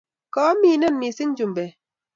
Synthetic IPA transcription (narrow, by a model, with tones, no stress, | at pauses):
kɔː˨˦mi˦˨nɛ˦˨nmi˨si˦ŋ˦d͡ʒu˨m˨be˨